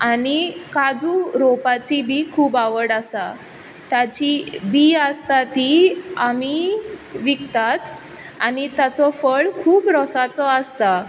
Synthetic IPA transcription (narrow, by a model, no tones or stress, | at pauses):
anikad͡zuɾopat͡ɕibikʰuːbaʋəɽasa | t̪jat͡ɕibiəst̪at̪iamiʋikt̪at̪ | anit̪jat͡sɔfəɭkʰuːpɾɔsat͡sɔəst̪a